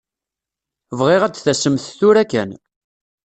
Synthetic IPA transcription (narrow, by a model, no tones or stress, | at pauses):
vʁɪʁæd̪θæsəmθθʊɾækːæn